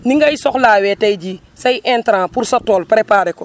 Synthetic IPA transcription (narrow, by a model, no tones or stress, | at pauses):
niŋɡɐjsɔxlaːwɛtɐjɟi | sɐjʔɛntɾãːpuɾsɐtɔːlpɾɛpaːɾɛkɔ